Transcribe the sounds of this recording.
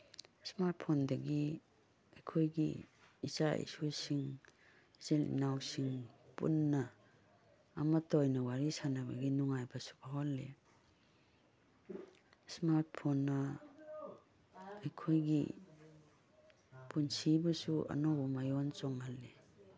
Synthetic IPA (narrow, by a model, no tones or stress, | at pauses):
smaɾt̚pʰondɐɡi | ajkʰojɡḭːt͡ʃaḭsusiŋ | zilḭnawsiŋpṵnːa | matːjnɐwaɾisanaba̰ɡinuŋajbasu̥baɦolːe | smaɾt̚pʰonːa | jkʰojɡḭ | punsibɐsuʔa̰nɔwumajɔnt͡ʃɔŋhalːe